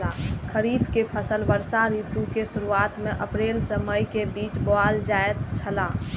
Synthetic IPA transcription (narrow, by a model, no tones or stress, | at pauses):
akʰəɾiːpʰkepʰəsəlbəɾsaɾit̪ukesuɾuat̪mẽʔəpɾeːlsəməjkebiːt͡ʃboald͡ʒaet̪t͡ʃʰəla